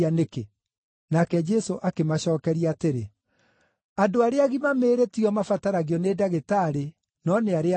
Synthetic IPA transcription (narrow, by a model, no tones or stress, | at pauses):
aneke | nakɛd͡ʒɛsoʔakemaɕɔːkɛɾiaaːteɾe | adoaɾeaɣimameːɾetiɔmafataɾaɣiɔneːdaɣetaːɾe | nɔneaɾea